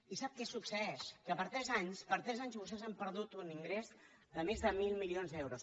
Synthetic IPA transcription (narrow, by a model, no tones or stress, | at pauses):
isap̚kɛsuksəɛskəpəɾt̪ɾɛzaɲspəɾt̪ɾɛzaɲzβust̪ɛzampəɾðut̪uniŋɡɾez | d̪əmezðəmilˠmilionzðɛwɾus